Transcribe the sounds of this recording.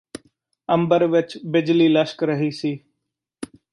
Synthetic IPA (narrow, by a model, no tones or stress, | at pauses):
ə̃mbəɾʋɪt͡ʃbɪd͡ʒliːləʃkɾəɦiːsiː